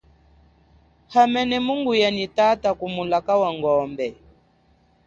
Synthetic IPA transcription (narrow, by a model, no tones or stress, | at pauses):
hamɛnɛmuŋɡujanitatakumulakawaŋɡɔmbɛ